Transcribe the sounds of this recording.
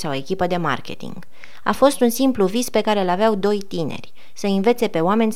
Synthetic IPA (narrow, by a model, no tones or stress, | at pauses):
sawoe̞kʲipəd̪e̞ma̰rkʲe̞̰t̪ḭŋɡ | a̰fo̞st̪unsimpluvispe̞kaɾe̞ɨlaveawd̪o̞jt̪ine̞̰rʲ | səinve̞t̪se̞pe̞oame̞nʲ